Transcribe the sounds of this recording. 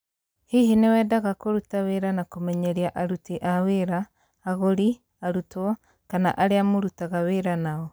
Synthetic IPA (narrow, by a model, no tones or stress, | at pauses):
hihinewɛːdaɣakoɾutaweɾanakomɛɲɛɾiaʔaɾutiʔaweɾaː | ɣoɾi | aɾutwɔ | kana̰ʔaɾeamoɾutaɣaweɾanaɔ